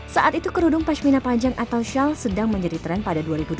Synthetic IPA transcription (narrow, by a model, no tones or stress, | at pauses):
saʔat̪it̪ukəɾudʊŋpaʃminapaɲd͡ʒaŋʔat̪awʃalsədaŋməɲd͡ʒadit̪əɾanpadaduaɾibud